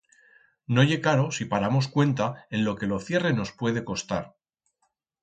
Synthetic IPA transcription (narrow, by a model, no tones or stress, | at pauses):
no̞ʝe̞kaɾo̞sipaɾamo̞skwe̞nt̪ae̞nlo̞ke̞loθje̞re̞no̞spwe̞ð̞e̞ko̞st̪aɾ